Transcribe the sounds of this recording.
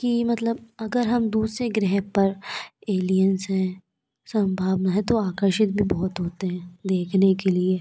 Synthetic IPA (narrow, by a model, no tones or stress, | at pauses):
kimɐt̪ləb̚ɐɡəɾɦɐmd̪uːsɾeɡɾɛɦɛɦpɐɾeːlijənsɦɛ̃ | sɐ̃mbʱaːbnaɦɛ̃t̪oaːkəɾʃɪt̪̚bʱibɔɦɔt̪ɦoːt̪eɦɛ̃d̪eːkʰnekelie